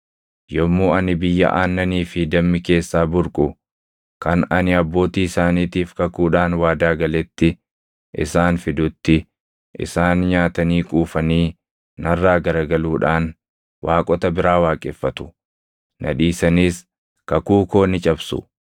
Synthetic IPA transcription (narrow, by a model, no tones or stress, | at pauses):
jɔmːuːɐnɪbɪjːɐ̰ʔa̰ːnːɐniːfɪd̪ɐmːɪke̞ːsːaːbʊɾkʼʊ | kɐnɐnɪɐbːo̞ːt̪iːɪsaːniːt̪iːfkɐkuːᶑaːnwaːd̪aːɡɐlɛt̪ːɪ | ʔɪ̰saːnfɪd̪ʊt̪ːɪ | ʔɪ̰saːnɲaːt̪ɐniːkʼuːfɐniː | nɐrːaːɡɐɾɐɡɐluːᶑaːn | wʔaːkʼɔt̪ɐbɪɾaːwaːkʼɛfːɐt̪ʊ̥ | nʔɐ̰ᶑiːsɐniːs | kɐkuːko̞ːnɪt͡ʃʼɐbsʊ̰